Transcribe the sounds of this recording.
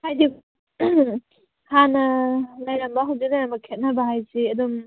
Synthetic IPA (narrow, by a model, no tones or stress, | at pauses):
hajdi | hanɐlajɾambaɦawzilajɾambakʰet̚nabaɦajziɐdɔm